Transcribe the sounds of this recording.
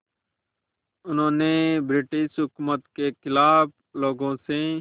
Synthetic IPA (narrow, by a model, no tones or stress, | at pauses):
ʊnõːneːbɾɪʈɪʃɦʊkumət̪keːkʰɪlaːb | loːɡõːseː